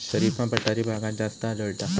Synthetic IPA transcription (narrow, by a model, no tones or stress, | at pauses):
ɕəɾiːfãpəʈaɾibʱaɡãt̪̚d͡zast̪əːləɭt̪a